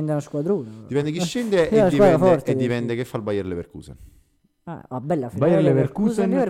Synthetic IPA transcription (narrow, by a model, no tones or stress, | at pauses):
nd̪enoskwad̪ɾuːnd̪ipɛnd̪ek̬iʃːend̪enak̪ːiwaːd̪ɾafɔrt̪eipɛnd̪ekefːalbajɛɾleveɾkṵːsḛn | a̰abːɛlːafbajɛleveɾkuːzee